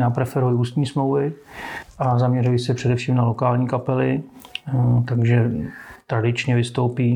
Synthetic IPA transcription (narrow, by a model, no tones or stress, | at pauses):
napɾɛfɛɾujɪuːst̪ɲiːsmlowvɪʔazamɲɛrujɪsɛpr̝̥ɛdɛfʃiːmnalo̞kaːlɲiːkapɛlɪ | t̪aɡʒɛt̪ɾadɪt͡ʃɲɛvɪst̪o̞wpiː